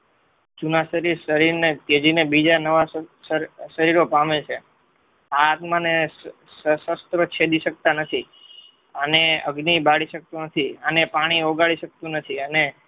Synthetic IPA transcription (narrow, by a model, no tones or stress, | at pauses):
d͡ʒunaʃəɾiɾʃəɾiɾnet̪ed͡ʒinebid͡ʒanəʋaəɾʃəɾiɾopamet͡ʃʰe | aːt̪mãne | səsəst̪ɾət͡ʃʰed̪iʃək̚t̪anət̪ʰi | əneəɡnibaɽiʃək̚t̪ũnət̪ʰiənepaɽ̃ioɡaɭiʃək̚t̪ũnət̪ʰiəne